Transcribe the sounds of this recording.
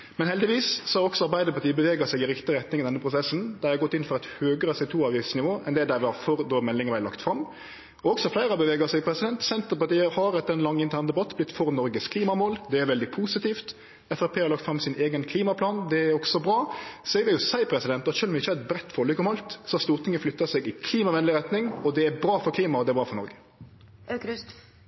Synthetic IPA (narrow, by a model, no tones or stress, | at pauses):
mɛnhɛld̪ɪʋiːssɔhɑɾɔksɔɑɾbæɪd̪əɾpɑʈ̪iːəbəʋeːɡəsɛɪɡɪɾɪkt̪ɪɾɛt̪nɪŋɪd̪ɛnːəpʰɾʊsɛsnd̪ææɑɡɔt̪ːɪnfɔɾɛɪt̪høːɡəɾɑsɛt̪ʰuːɑːʋɪsnɪʋoːʔɛ̰nd̪ɛd̪æɾʋɑfɔɾd̪oːmɛlːɪŋəʋæɪlɑ̰kt̪fɾɑmː | ɔɔksɔflæɪɾɑbəʋeːɡəsɛɪɡpʰɾɛsɪd̪ɛnt̪sɛnt̪əpɑt̪iːəhɑɾɛt̪ːəɾɛnlɑŋːɪnt̪ʰæːʁnd̪ɛbɑt̪ːblɪt̪ːfɔɾnɔɾɡəskʰliːmɑmoːld̪ɛæɾʋɛld̪ɪpʰuːsɪt̪iːft̪ | ɛfæpʰeːhɑɾlɑkt̪fɾɑmsɪneːɡənkʰliːmɑpʰlɑːnd̪ɛæɾɔksɔbɾɑːsɔɛɡʋɪljʊsæɪpʰɾɛsɪd̪ɛnt̪ɑt̪ʃøːlmɪçːəhɑɾɛt̪̚bɾɛt̪ːfɔɾlʏkːɔmɑlt̪sɔhɑɾst̪uːɾt̪ʰɪŋːəflʏt̪ːɑsɛːɡɪkʰliːmɑʋɛnlɪɾɛt̪nɪŋɔd̪ɛæbɾɑːfɔɾkʰliːmɑɔd̪ɛæbɾɑːfɔɾnɔɾɡə̥